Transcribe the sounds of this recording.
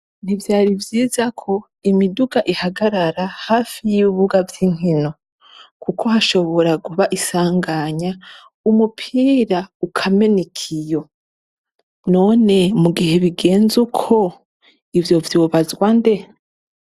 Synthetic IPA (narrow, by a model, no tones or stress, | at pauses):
n̥ivjaːɾivjiːzakʰo̞ | imiduɡaʔihaɡaɾaɾahaːfijiβuɡavjiŋ̥hino̞ | kukʰo̞haʃo̞βo̞ɾaɡuβaʔisaːŋɡaɲa | umupʰiːɾaukʰame̞nekʰijo̞ | no̞ːne̞muɡihe̞βiɡe̞ːnzukʰo̞ | ivjo̞vjoːβazɡwande̞